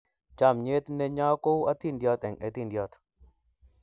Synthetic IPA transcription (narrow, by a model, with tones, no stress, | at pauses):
t͡ʃa˦˨mɲe˦t̪nɛ˦ɲa˦ko˦wa˦t̪i˦ndjɔ˦t̪ɛ˨ŋʔɛ˨t̪i˦˨ndjɔ˦t̪